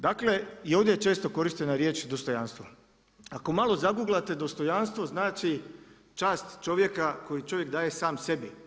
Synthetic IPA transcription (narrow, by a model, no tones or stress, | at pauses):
d̪akle̞io̞ʋd̪jet͡ʃe̞ːst̪o̞ko̞ɾiʃt̪e̞naɾje̞ːt͡ʃd̪o̞st̪o̞janst̪ʋo | ako̞malˠo̞zaɡuːɡlat̪e̞d̪o̞st̪o̞janst̪ʋo̞znaːt͡ʃi | t͡ʃaːst̪t͡ʃo̞ʋje̞kako̞jit͡ʃo̞ʋje̞kd̪aːje̞saːmse̞bi